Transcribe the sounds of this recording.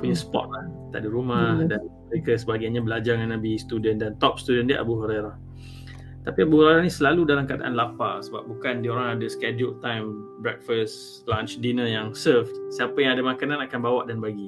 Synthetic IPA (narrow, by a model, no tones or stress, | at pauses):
puɲasə̥pɔ̰t̪̚laht̪a̰ʔdiɾumahdaməɾekəsəbaɡaɲabəlad͡ʒaŋanːabist̪udəndant̪ɔp̚st̪udəndiʔa̰buɦoɾeɾah | t̪apiabuhoɾaɾahnisəlaludalamkəada̰ʔa̰nlafasəba̰p̚bukandioɾaŋadəskɛd͡ʒut̪ːajmbɾɛk̚fəst | lãnt͡ʃdinəjaŋsəftsəapəjaŋadamakanãnakanbawaʔdanbaɡi